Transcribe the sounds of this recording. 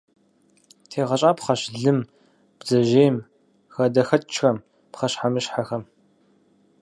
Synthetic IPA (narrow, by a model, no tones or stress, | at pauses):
tʰeːʁɐɕʼaːpχɐɕɮɨm | b̥zɐʒeːm | xɐdɐxɐtt͡ʃxɐm | pχɐɕħamɨɕħaxɐm